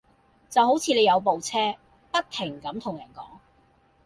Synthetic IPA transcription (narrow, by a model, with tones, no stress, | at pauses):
t͡sɐ˨who˨˥wt͡sʰiː˨˧le˨˧jɐ˨˧wp̬o˨wt͡sʰɛː˥ | pɐ˥k̚t̪ʰɪ˨˩ŋkɐ˨˥mt̪ʰʊ˨˩ŋjɐː˨˩nkɔ̰ː˨˥ŋ